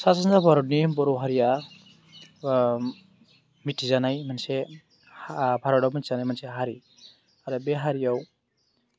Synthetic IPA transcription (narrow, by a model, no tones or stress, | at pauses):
sasanzabʱʌɾɔɖnibɔɾowɦaɾija | mitʰizanajmanse | bʰʱaɾɔɽawmitʰizanajmanseɦaɾi | aɾɯbeɦaɾijaw